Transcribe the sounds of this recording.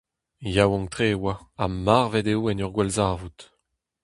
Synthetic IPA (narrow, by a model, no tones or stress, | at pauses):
jawɔ̃ŋt̪ʁeːwaamaʁvɛdewɛnœʁɡwɛlzaːvut̪